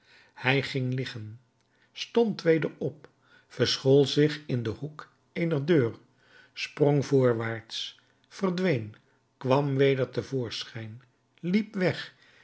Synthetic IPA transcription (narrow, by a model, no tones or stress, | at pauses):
hɛjχɪŋlɪχən | stɔntʋejdəɹɔp̚ | fəɹsχolˠzɪχɪndəhuk | ejnəɹdøːr | sproŋvʊːɹʋaːɹts | fəɹdʋejn | kʋɑmʋejdəɹtəvʊːɹsχɛjn | lipʋɛχ